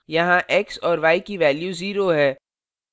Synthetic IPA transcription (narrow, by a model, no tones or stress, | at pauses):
jɐɦãʔɛksɔːɾʋaːikiʋɛːljuziːɾoɦɛː